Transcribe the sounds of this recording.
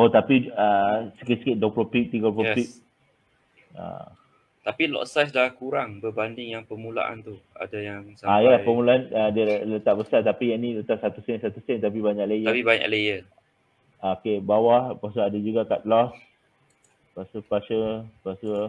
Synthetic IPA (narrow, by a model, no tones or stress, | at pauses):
ot̪apiəsə̥kɪt̪sə̥kɪt̪̚doplopik̚t̪iɡəploppik̚ | a̰ | t̪apilɔ̰sas̬dalahkuɾaŋbəbandɪŋjaŋpəmũla̰ʔa̰nt̪ua̰dajaŋsaaiəlapəmulaanədiələt̪aʔ̚bəsat̪apijanĩlət̪aʔ̚sat̪usɛnsat̪usɛnt̪ap̬ibaɲak̚lejəaibaɲa̰klejə | akebawahpas̬əadad͡ʒuɡakat̪̚lɔs | pasəpaʃəpasə